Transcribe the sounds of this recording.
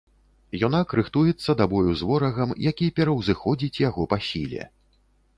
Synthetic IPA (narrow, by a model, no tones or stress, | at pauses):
jɔnakɾɨxt̪ujɛt̪sːɐd̪abɔjuzvɔɾɐɣɐmjakʲipʲɛɾɐwzɨxɔd͡zʲit͡sʲjaɣɔpasʲḭlʲɛ̰